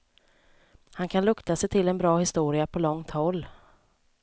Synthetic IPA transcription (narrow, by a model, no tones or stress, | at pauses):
hankʰanlɵkt̪asɛjt̪ʰɪlːɛnbɾɑːhɪst̪uːɾɪapʰɔlɔŋt̪hɔlː